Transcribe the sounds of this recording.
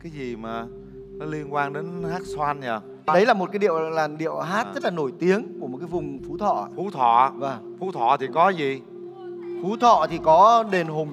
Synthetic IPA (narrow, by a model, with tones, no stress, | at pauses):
kaː˨˦jzi˨˩maː˨˩ | nɔ˨˦li˧ənkwaː˧nɗe˨˦nhaː˦˥t̚swa˧nɲəː˨˩ | ɗə˨˦jlaː˨˩mo˨˩t̚kaː˨˦jɗḭ˧˨əwlaː˨˩mɗḭ˧˨əwɦaː˦˥t̚zə˦˥t̚laː˨˩no˧˩jt̪i˨˦əŋku˧˩əo˨˩kaː˨˦jvʊ˨˩ŋ͡mfu˨˦t̪ʰɔ̰˧˨˧fu˨˦t̪ʰɔ̰˧˨vəː˨˩ | fu˨˦t̪ʰɔ̰˧˨t̪ʰi˨˩kɔ˨˦zi˨˩ | fu˨˦t̪ʰɔ̰˧˨t̪ʰi˨˩kɔ˨˦ɗe˨nɦo˨˩ŋ͡m